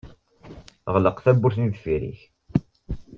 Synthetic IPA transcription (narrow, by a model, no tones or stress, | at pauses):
ʁləqθæbːʊɾθniðfiɾḭç